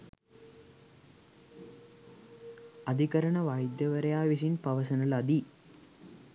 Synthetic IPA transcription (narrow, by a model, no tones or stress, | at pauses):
ɐd̪ʱikɐɾɐɳəʋajd̪jɐʋɐɾɐjaːʋis̬inpɐʋɐsɐnɐlɐd̪i